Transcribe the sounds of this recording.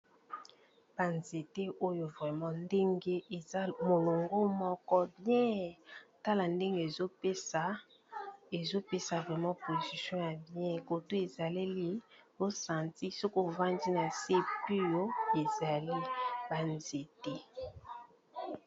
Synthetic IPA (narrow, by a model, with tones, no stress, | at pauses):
b̥a˨nze˨te˦ʔo˦jo˨vʁɛ˨mã˦nde˦ŋɡe˦e˨a˦mo˨lo˨ŋɡo˦mɔ˦kɔ˦bjɛ̃˦ta˦la˨nde˦ŋɡe˦e˨za˨ | e˨zo˦pe˦sa˨vʁɛ˨mã˦po˨zi˨sjɔ̃˦ja˨bjɛ̃˦˨ko˨to˦e˨za˨li˦li˨o˦sã˨ti˦so˦ko˦˨vã˦ndi˦na˨se˦pi˦jo˦e˨za˨li˦ba˨nze˨te˦